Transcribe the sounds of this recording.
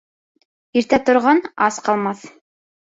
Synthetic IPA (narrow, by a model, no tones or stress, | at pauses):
iɾt̪æt̪ŏɾʁɑnɑsqɑlˠmɑθ